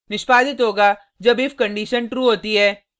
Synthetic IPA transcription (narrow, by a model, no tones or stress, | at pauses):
nɪʃpaːd̪ɪt̪ɦoːɡa | d͡ʒɐbɪfkɐ̃ɳɖiːʃənʈɾuːɦoːt̪iɦɛː